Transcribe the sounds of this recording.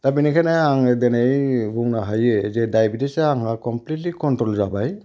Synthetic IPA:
t̪abinikʰanaaŋedenejbuŋnaɦajezɛdajbidesaaŋakɔmplitlikɔntɾɔlzabaj

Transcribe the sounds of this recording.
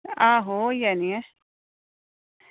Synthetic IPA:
aːɦojania

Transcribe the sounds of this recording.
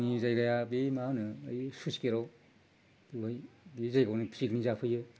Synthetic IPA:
nizajɡajabimanɯːjsuskeɾɔ | d̥iajbizajɡawnipʰsiknizapʰɯjɯ

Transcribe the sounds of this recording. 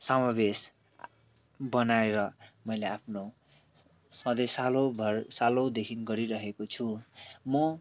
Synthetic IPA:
sʌmabes | bʌnaeɾʌmʌjleapʰno | sʌ̃d̪esalobʱʌrsalod̪ekʰinɡʌɾiɾʌɦekot͡sʰumʌ

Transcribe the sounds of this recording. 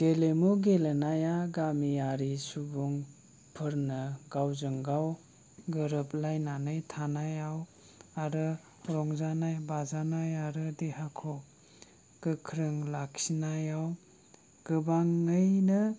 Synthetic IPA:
ɡ̥elemuɡelenajaɡamiaɾisubuŋ | pʰɯɾnɯɡawzɯŋɡaw | ɡɯɾɯp̚lajnanɯjtʰanajaw | aɾɯ | ɾɔŋzanajbazanajaɾɯdeɦakʰɔ | ɡ̥ɯkʰɾɯŋlaksinajaw | ɡ̥ɯbaŋːɯjnɯ

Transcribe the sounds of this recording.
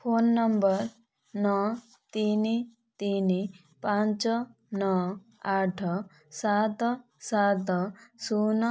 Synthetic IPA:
pʰonːʌmbəɾ | nɔ | t̪ini | t̪ini | pãnt͡ʃɔ | nɔ | aʈʰ | sat̪ | sat̪sun

